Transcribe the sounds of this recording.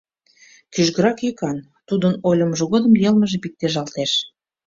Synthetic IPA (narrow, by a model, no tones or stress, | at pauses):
kyʒɣəɾɑkjikɑn | t̪ud̪ənolʲəmʒə̆ɣod̪ə̆mjelməʒĕpik̚t̪eʒɑlt̪eʃ